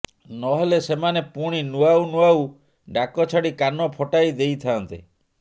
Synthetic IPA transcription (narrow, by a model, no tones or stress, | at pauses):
nɔɦelesemanepuɽ̃inuaunuaw | ɖakɔt͡ʃʰaɽikanɔpʰɔʈajd̪ejt̪ʰant̪ḭ